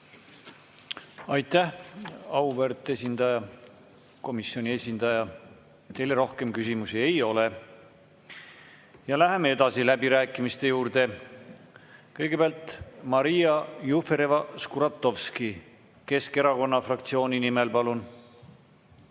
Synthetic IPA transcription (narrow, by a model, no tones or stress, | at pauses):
ɑjt̪ːæhɑuvøɾt̪ˑːe̞s̬ʲind̪ɑjɑ | ko̞misio̞nʲie̞sʲind̪̥ɑjɑ | t̪ːe̞jleɾo̞hke̞mkysimusie̞jo̞le | jɑlæɦe̞mee̞d̪̥ɑsilæbiɾæːkːˑimist̪e̞juːɾd̪̥e̞ | kɤjɡ̥e̞b̥eɑlt̪ˑmɑɾijɑjufeɾevɑskuɾɑt̪ˑːo̞vski | ke̞ske̞ɾɑko̞nːɑfrɑkt̪sio̞ːnʲinimelpɑlun